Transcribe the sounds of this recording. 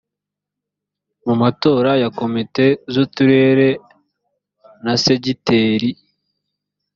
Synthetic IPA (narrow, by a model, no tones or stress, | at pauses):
mumato̞ːɾajako̞mite̞zutuɾe̞ɾe̞ | nase̞ɟiteːɾi